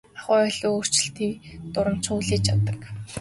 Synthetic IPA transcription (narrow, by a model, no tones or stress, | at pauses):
aχʊːœɮoːoːr̥t͡ɕɪ̆ɬt̪iːkt̪ʊɾə̆m̥t͡ɕʰuːɮiːt͡ɕʰat̪ə̆k